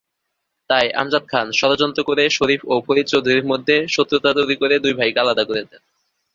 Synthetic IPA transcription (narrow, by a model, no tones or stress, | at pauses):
t̪ajʔa̰md͡ʑad̪̚kʰanʃɔɾod͡ʑɔnt̪ɾokoɾeʃoɾifopoɾit̪̚t͡ɕowd̪ʱuɾiɾmod̪ʱːeʃot̪ːɾot̪at̪ojɾikoɾed̪ujbʱajkalad̪akoɾed̪en